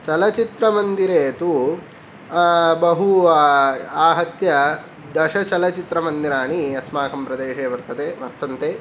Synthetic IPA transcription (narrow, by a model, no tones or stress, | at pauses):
t͡ʃɐlɐt͡ʃit̪ɾɐmɐnd̪iɾeːt̪u | bɐɦu | aːɦɐt̪jɐ | d̪ɐʂɐt͡ʃɐlɐt͡ʃit̪ɾɐmɐnd̪iɾaːɳiɐsmaːkɐmpɾɐd̪eːʂeːʋɐɾt̪ʰɐt̪eːʋɐ̰ɾt̪ɐnt̪eː